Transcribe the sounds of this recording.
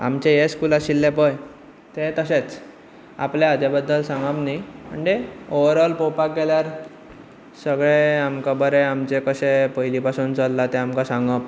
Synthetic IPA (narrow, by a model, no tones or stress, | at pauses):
a̰mt͡ɕejeskulaɕilːepəj | t̪ẽt̪əset͡s | a̰pleəd͡ʑebəd̪ːəlsãŋɡapnimə̰ɳd͡ʑeoʋɾəlpopak̚ɡeljaɾ | səɡɭeamkabəɾeamt͡ɕekəsepəjlipasuːnt͡səlːat̪eamkasãŋɡəp